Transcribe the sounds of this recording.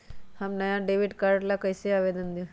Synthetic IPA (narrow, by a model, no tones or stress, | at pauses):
hɐmnɐjãɖeːʋɪɖkaːɾɖlakəjseaːʋed̪ənd̪jõ